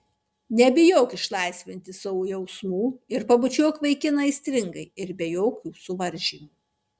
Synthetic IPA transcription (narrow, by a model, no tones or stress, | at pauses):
nʲɛbʲɪjoːkɪʃlˠɑɪsʲʋʲɪnʲt̪ʲɪsɐʋuːjɛʊsmuːɪɾpɐbʊt͡ʃʲuɔkʋɐɪkʲɪnɐɪsʲt̪ʲɾʲɪŋɡɐɪɪɾbʲɛjoːkʲuːsʊʋɐɾʲʒʲiːmuˑː